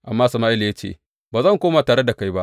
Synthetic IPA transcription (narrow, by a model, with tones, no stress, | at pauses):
ʔa˨mːaː˦sɐ˨maː˦ʔɪ˦lja˦t͡ʃḛ˦˨ | baː˨zɐ˦˨ŋkʷoː˦ma˨taː˨ɽe˦da˨ka˦jba˦ʔ